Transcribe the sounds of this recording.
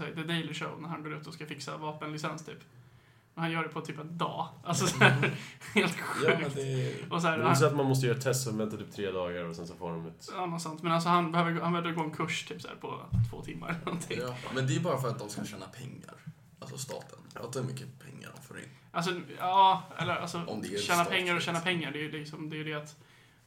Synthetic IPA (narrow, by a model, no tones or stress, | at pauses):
sæːd̪əd̪ɛɪlɪʂoʊnæɾhanɡoːɾʉ̟ːt̪ɔskafɪksa̰vɑːpənlɪsɛnst̪ʰy̰ːp | ɔhanjœːɖɛpʰɔt̪ʰyːpɛnd̪ɑ̰ːʔalsɔsæːheːlt̪ɧjʉ̟ːktd̪ʔɔs̬æːɾs̬ɛat̪manmɔs̬t̪əjœːɾat̪ʰɛst̪ɔvɛnt̪at̪yːpt̪ʰɾeːd̪ɑːɡaɾɔsɛnsɔfoːɖɔmɛt̪ɑːnɔt̪sant̪mɛnals̬ɔhanbɛhøːvəɾɡhanbvəɾɡoːɛnkʰɵʂt̪ʰyːpsæ̰ːɾpʰɔ̰t̪ʰvo̰ːt̪ʰɪmːa̰ɾɛlːəɾnɔnt̪ʰɪːmɛnd̪ɛjəbɑːɾafœɾat̪̚d̪ɔmskaʃɛːnapʰɛŋːa̰ɾ | alsɔst̪ɑ̰ːt̪ʰənad̪ɛmʏkːəpʰɛ̰ŋːa̰ɖɔmfœɾɪ̰nʔals̬ɔɑːɛ̰lːəɾʔa̰lsɔɔmd̪ɛʃɛːnapʰɛŋːaɾɔɕɛːnapʰɛŋːaɖɛjɵlɪksɔmd̪ɛjʏd̪ɛat̪